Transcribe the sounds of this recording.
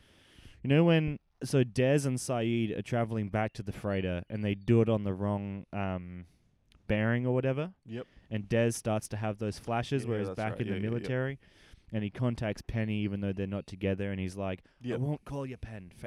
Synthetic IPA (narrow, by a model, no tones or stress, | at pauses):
jɨnoʊwɨ̃n | soʊdɛzə̃nsaɪiɾə̰˞tʰɹ̥ævl̩ˠɪ̃ŋbæk̚tʰɨðɨfɹeɪɾəʔɨ̰̃nðeɪdəəɾn̩ðəɹɔ̃ŋʔʌ̃m | b̥ɛɹɪ̃ŋə˞wʌɾɛvə˞jɛɨ̃ndɛz̥stɑɹtstʰɨəvðoʊz̥flæʃɨzwə˞ɨzbækɨ̃nðɨmɪlˠətʰɛɹi | ɨ̃nikʰɑ̃ntʰæk̚tspʰɛniivɨ̃nðoʊðə˞nətʰɨɡɛðə˞ɨ̃nizlaɪkwõʊ̃nkʰɔlˠjə˞pʰɛ̃nf